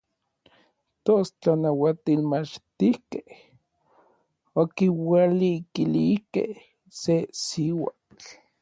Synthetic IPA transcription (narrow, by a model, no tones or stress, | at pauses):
t̪ost͡ɬanawat̪ilmat͡ʃt̪ihkeh | okiwalikilihkḛh | sesiwa | t͡ɬ